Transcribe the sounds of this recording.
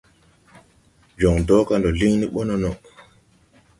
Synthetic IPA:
d͡ʒɔ˨ŋdɔː˦ka˦ndɔ˨li˦ŋni˦ɓɔ˦nɔ˨nɔ˨

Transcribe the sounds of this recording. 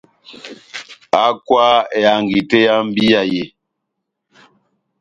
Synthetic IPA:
a˦kwa˦e˨a˨ŋɡi˨te˦ja˦m̩˦bi˦a˨je˨

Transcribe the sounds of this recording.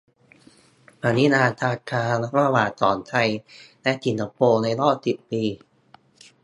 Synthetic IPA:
pʰaː˧˦ni˦˥naː˧t̪ʰaː˧kʰaː˧ɾa˧waː˨˩t̪sɔ̰ː˩˦nt̪ʰa˧jlɛ˦˥ʔsi˧nt̪ʰa˧poː˧na˧jɾɔː˥˩p̚si˨˩p̪̚piː˧

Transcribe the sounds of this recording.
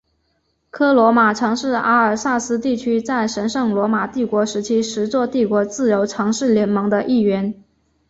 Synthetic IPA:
kʰɤ˥lwɔ˧˥ma˨˩ʈ͡ʂʰɤ˧˥ŋʂɻ̩˥˩a˧˥ə˞˨˩sa˥˩sɹ̩˥t̪i˥˩t͡ɕʰy˥t͡sa˥˩ɪʂə˧˥nʂɤ˥˩ŋlwɔ˧˥ma˨˩t̪i˥˩kwɔ˧˥ʂɻ̩˧˥t͡ɕʰi˥ʂɻ̩˧˥t͡swɔ˥˧t̪i˥˩kwɔ˧˥t͡sɹ̩˥˩jo˧˥ʊʈ͡ʂʰɤ˧˥ŋʂɻ̩˥˩ljɛ˧˥nmɤ˧˥ŋd̪ə˧ʔi˥˩ɥɛ˧˥n

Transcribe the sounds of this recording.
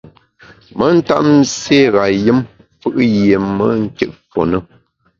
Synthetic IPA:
mə˦n̩˦ta̰˦ʔn̩˦se˦˨ɣa˨jɨ˦m | fɨ˦ʔje˨mə˦ŋ̩˦ke˦ʔfo˨nə˦

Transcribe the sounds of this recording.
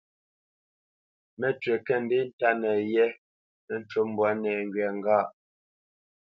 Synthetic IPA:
mɛ˨tɥe˨kɛ˦˨n̩˨de˦n̩˦ta˦nɛ˨jɛ˦ | n˦n̩˦t͡ʃo˦m˦bwɔ˨˦nɛː˨ŋɡɥɛ˨ŋ˦ɡa˦˨ʔ

